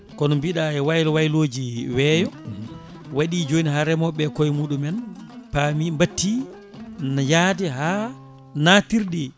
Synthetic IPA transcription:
kɔnɔmbiɗaɛwajlɔwajloːd͡ʒiwɛːjɔ | waɗid͡ʒoniɦaɾɛmɔɓɛkɔjmuːɗumɛnpamimbatːi | njaːdɛɦa | natiɾɗi

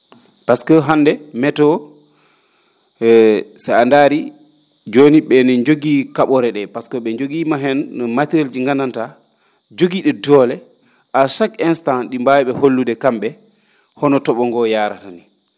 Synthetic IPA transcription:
paskɔɦandɛmɛtɔ | saandaɾi | d͡ʒoniɓɛnɛɲd͡ʒoɡiːkaɓɔɾɛɗɛpaskɔɓɛɲd͡ʒoɡimaɦɛnɔmatiɾald͡ʒiŋɡananta | d͡ʒoɡiɗɛdɔːlɛ | ʔaʃakɛnstanɗimbajɓɛholːudɛkamɓɛ | hɔnɔtɔɓɔŋɡɔjaːɾatani

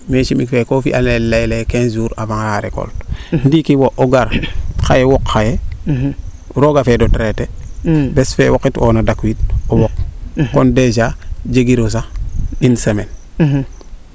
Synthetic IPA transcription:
meʃimikfekofḭʔalelajlekeːnzuːɾabaŋaaɾḛko̰ltndikiwoʔoɡaɾxajewokːaje | ɾoɡafedotɾetebesfewokito̰ːnadakuwit̚owokːonded͡ʒaɟeɡiɾos̬ainsemen

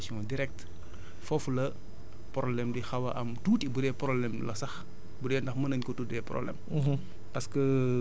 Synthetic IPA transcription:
sɔ̃ːdiɾɛk̚t | fɔflɐ | pɾɔlɛmdixɐwɐʔɐmtuːtibudɛpɾɔblɛmlɐsɐx | budɛːndɐxmɐnɐɲkɔtuːtɛprɔ̰blɛ̰m | pɐskə

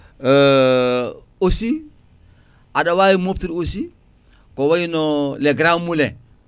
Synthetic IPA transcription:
osi | adawajimop̚tiɾosi | kɔwajinɔlɛɡɾamulɛ

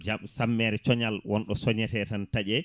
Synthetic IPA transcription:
d͡ʒamsamːɛɾɛt͡ʃɔɲalwʔɔnɗɔsɔɲɛtɛtantaʄɛ

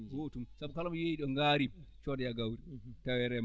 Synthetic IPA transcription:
ɡotumsabkalamjeiɗɔŋɡaːɾit͡ʃɔdɛjaɡawɾitawɛɾɛm

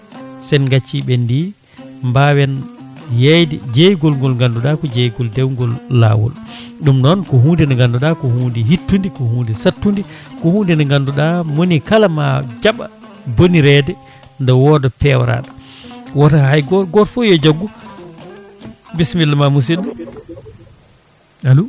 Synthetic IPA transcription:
sɛnɡat͡ʃːiɓɛndi | mbawɛnjajdɛd͡ʒejɡɔlŋɡɔlŋɡanduɗakɔd͡ʒejɡɔldɛwŋɡɔlːa̰ːwɔ̰l | ɗumnɔnkɔɦuːndinɛŋɡanduɗakɔhuːndiɦitːundikɔhuːndisatːundikɔhundinɛŋɡanduɗamonikalama̰d͡ʒaɓa̰ | boniɾɛdɛ | ndɛwɔdɔpɛwɾa̰ɗa | watahajɡɔɡɔɾfujɔd͡ʒaɡːu | bismilːmamus̬inɗu | alu

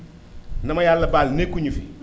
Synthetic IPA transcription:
namajalːəbalnekuɲifi

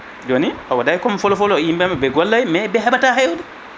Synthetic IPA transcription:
d͡ʒoniʔawadajkɔmfɔlɔfɔlɔimbɛmabɛɡɔlːajmɛbɛɦɛbataɦɛwdɛ

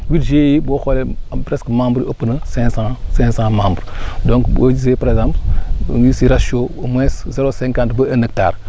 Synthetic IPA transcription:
widʒejiboxolepɾeskmãmbɾopənəsɛ̃sãsɛ̃sãmãmbɾdõŋkbo̰d͡ʒiz̬epaɾeɡzãmpl̰nwisiɾaʃiomweszeɾosẽŋkãntbəenək̚ta̰ɾ

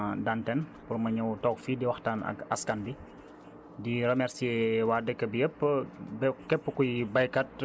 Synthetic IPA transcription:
dantɛnpurmɐɲɐwtɔːkfidiwɐxtaːnɐ̰kɐskanbi | diɾɛmɛɾsiewaːdɛkːəbijəpːbɛkɛpːəkujbɐjkɐt̚

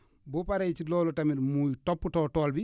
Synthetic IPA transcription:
bɔpaɾejt͡ʃilɔːlɔtamiɾmujtopːutɔːtɔːlbi

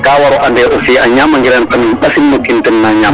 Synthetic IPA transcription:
kaːwaɾɔʔandɛʔɔsiʔaɲamaŋɡiɾantanɓasinmokːintɛnːaɲam

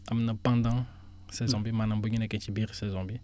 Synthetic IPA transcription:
amnəpãd̪ã | sɛzɔ̃bimanãbuɲinɛkɛ̃t͡ʃibiʁsɛzɔ̃bi

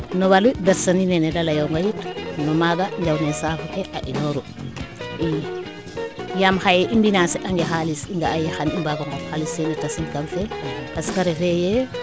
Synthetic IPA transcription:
nowalubɛɾsaninenedalajoŋɡajitnɔmaɡaɲd͡ʒawnensafukeʔaʔinoɾu | i | jamxajeʔimbinasɛʔaŋɡexalisiŋɡaajexanimbaɡaŋɡoxalisenitasinkamfeaskaɾefejɛ

